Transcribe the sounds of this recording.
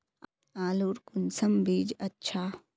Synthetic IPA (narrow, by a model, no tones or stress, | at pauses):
aːluɾkʊnsɐmbiːd͡ʒɐtːʃʰaː